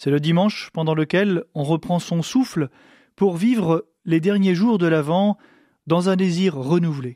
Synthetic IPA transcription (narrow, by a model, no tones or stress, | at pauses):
sɛləd̪imɑ̃ʃpɑ̃d̪ɑ̃ləkʲɛlɔ̃ʁəpχɑ̃sɔ̃sufl | puʁvivʁə | led̪ɛʁnjeʒuʁd̪əlavɑ̃ | d̪ɑ̃zɛ̃d̪eziʁːənuvle